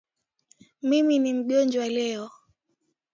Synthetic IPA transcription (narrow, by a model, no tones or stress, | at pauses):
miminim̩ʄɔnd͡ʒwalɛɔ